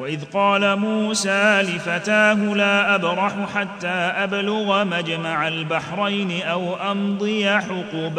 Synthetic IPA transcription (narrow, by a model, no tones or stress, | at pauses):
waʔɪðqɑːlamuːsaːlɪfat̪aːɦʊlaːʔabɾˤɑħʊħat̪ːaːʔablʊɣamad͡ʒmaʕalbaħɾˤɑjnɪʔawʔɑnd̪ˤɨjaħʊquːb